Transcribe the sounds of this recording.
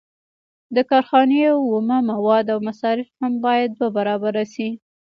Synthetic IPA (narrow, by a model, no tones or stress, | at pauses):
d̪əkɑɾxɑneawːomamawɑd̪awmasɑɾɪfhambɑjad̪̚ːwabaɾɑbaɾasi